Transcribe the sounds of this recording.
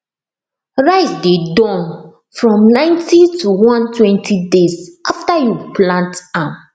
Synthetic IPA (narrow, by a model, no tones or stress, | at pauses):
ɹaɪsdedɔ̃n | fɹɔ̃mnãɪ̃ntituwãntwɛ̃ntʰidezʔaftajuplãntãm